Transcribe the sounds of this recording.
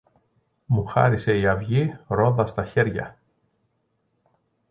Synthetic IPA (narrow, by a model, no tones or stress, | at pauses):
muxɐ̰ɾise̞iɐvʝiɾo̞ðɐst̪ɐçe̞ɾʝɐ̰